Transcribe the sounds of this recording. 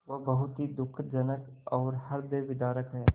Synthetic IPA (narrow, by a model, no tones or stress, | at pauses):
ʋobɐɦʊt̪ɦid̪ʊkʰd͡ʒɐnəkɔːɾhɐɾbeːʋɪd̪aːɾəkɦɛː